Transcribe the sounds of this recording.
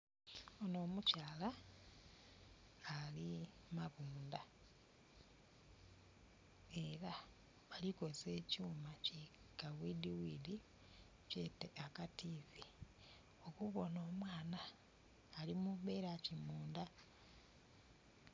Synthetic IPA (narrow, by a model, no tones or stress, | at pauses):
ono̞ːmucaːla | limaβuːnda | e̞ɾa | βaliko̞ze̞ːcuːmaci | kawidiwidi | ceteʔakativi | o̞kuβo̞no̞ːmwaːnaː | limumbe̞ɾacimuːnda